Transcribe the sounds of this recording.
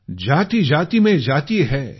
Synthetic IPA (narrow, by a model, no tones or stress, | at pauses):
d͡ʒaːt̪id͡ʒaːt̪imẽd͡ʒaːt̪iɦɛː